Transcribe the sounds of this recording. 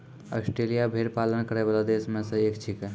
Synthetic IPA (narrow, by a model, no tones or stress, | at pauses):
ɔ̰sʈɾelijabʱeɾpalənkəɾɛbalad̪esmesə̃ekt͡ʃʰikɛ